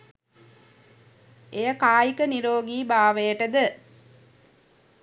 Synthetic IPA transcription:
ejəkaːjikəniɾoːɡiːbaːʋejəʈəd̪ə

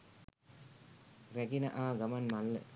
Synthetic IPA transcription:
reɡinɐ̰ʔaːɡɐmɐnmɐlːə̰

